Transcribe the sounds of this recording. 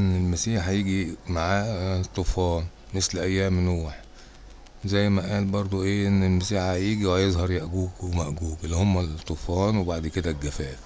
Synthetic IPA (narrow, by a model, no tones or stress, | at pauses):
ʔenːelmæsiːħhjiɡimaʕaːt̪ˤːofɑːn | meslʔæjːæːmnoːħ | zæjːmæʔæːlbɑɾˤd̪ˤoʔeːʔenːelmæsiːħhæjiɡiwæjezˤhɑɾˤjæʔɡuːkwemæʔɡuːkelːæhomːæt̪ˤːofɑːnwebaʕd̪ked̪æɡæfæːf